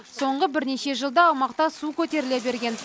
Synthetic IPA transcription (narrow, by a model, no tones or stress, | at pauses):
so̞ɴʁəbɪɾne̞ʃe̞ʒəlˠd̪əːwmɑqt̪ɑsukʲʰɵt̪e̞ɾɪlebe̞ɾɡʲe̞n